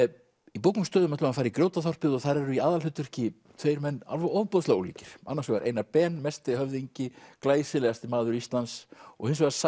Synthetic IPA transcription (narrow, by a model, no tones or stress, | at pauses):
ipowkʏmst̪œːðʏmɛt̪lʏhanfaːɾikɾjowt̪aθawr̥pɪðɔɣθaɾɛɾʏiaːðalʏt̪ːʏr̥cɪ | t̪ʰvejɾmɛnːa̰lvɛɔvpɔðsloɣulḭːcɪɾ̥a̰nːasɔva̰ɾʔḛjnapɛːnmɛst̪ɪhœvðiɲcɪklaːjsɪlɛɣast̪ɪmaːðʏɾist̪lansɔ̰ɣhɪns̬vaɣas